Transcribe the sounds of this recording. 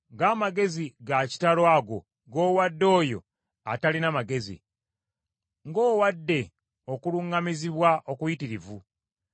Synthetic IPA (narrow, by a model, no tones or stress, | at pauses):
ŋɡaːmaɡe̞ziɡaci̥talwaɡo̞ | ɡo̞ːwadːo̞ːjo̞̰ | a̰talinamaɡe̞zḭ | ŋɡo̞ːwadːe̞ | o̞kuluŋɡamiziβwaʔokujitiɾivu